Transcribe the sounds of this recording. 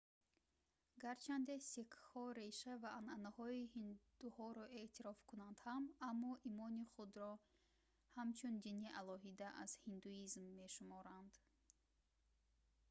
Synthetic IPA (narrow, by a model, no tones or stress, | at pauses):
ɡaɾt͡ʃʰand̪esikhɔɾe̞ʃavaʔːnanahɔihind̪̥uhɔɾɔʔe̞t̪ʰiɾɔfkunand̪̥hamamːɔʔimɔniχud̪ɾɔ | hamt͡ʃʰund̪iniʔalɔɦid̪aʔaz̥hind̪uizmːe̞ʃumɔɾand̪